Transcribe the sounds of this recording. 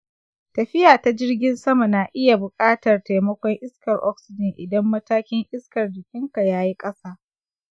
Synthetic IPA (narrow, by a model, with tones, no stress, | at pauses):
tɐ˨ɸɪ˦jaː˨ta˦d͡ʒɪ˦rɡʲɪ˦nsɐ˦ma˨na˨ʔɪ˦ja˨bʊ˨kʼaː˦tɐ˨rta˨jmɐ˦kʷɔ˦ŋʔɪ˦skɐ˨rʔɔ̰˦k̚sɪ˦dɪ˨ŋʔɪ˨dɐ˦mːɐ˦taː˦kʲɪ˦ŋʔɪ˦skɐ˨rdɪ˨kʲɪ˦ŋka˨jaː˦ji˦kʼɐ˦saː˦